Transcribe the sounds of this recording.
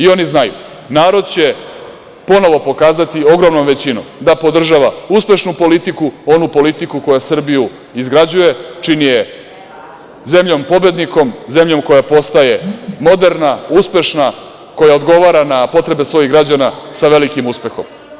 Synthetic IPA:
io̞niznajṵ | naːɾo̞d̪̚t͡ɕe̞ | po̞no̞ʋo̞po̞kaːzat̪io̞ɡɾomnomʋe̞t͡ɕino̞̰md̪apo̞d̪r̩ʒaʋauspe̞ʃnupo̞lit̪ikuo̞nupo̞lit̪ikuko̞jasr̩biju | izɡɾad͡ʑuje̞t͡ʂinije̞ | ze̞mʎo̞mpo̞bed̪niko̞mze̞mʎo̞mko̞japo̞st̪aje̞mo̞d̪e̞ɾnauspe̞ʃna | ko̞jaod̪ɡo̞ʋaːɾanapo̞t̪ɾe̞besʋo̞jiɣɡɾad͡ʑanasaʋe̞likimuspe̞xo̞̰m

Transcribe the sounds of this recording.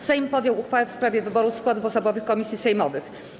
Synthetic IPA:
sɛjmpɔd̪jɔwuxfawɛfspɾavʲjɛvɘbɔɾuskwad̪vɔsɔbɔvɘxkɔmʲisʲjisɛjmɔvɘx

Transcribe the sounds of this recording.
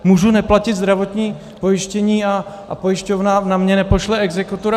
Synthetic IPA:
muːʒunɛplacɪd̪zd̪ɾavot̪ɲiː | po̞jɪʃcɛɲiːa̰ | pojɪʃcovnanamɲɛnɛpo̞ʃlɛɛɡzɛkut̪uɾa

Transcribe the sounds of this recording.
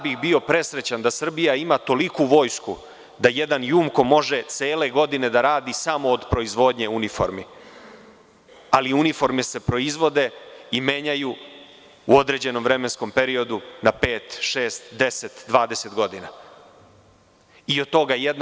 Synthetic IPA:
bixbio̞pɾe̞sɾe̞t͡ɕand̪asr̩bijaimat̪o̞likuʋo̞ːjsku | d̪aje̞d̪anjuːmko̞mo̞ʒe̞t̪seːle̞ɡo̞d̪ine̞d̪aɾaːd̪isamo̞ːd̪pɾo̞izʋo̞d̪ɲe̞unifo̰ɾmi | aliunifo̞ɾmese̞pɾo̞izʋo̞d̪e̞ime̞ɲaju | uo̞d̪ɾe̞d͡ʑe̞no̞mvɾe̞me̞nsko̞mpe̞ɾio̞d̪unape̞ːt̪ʃe̞ːst̪d̪e̞se̞t̪d̪ʋaːd̪e̞se̞t̪ɡo̞d̪ina | iot̪o̞ɡajed̪n

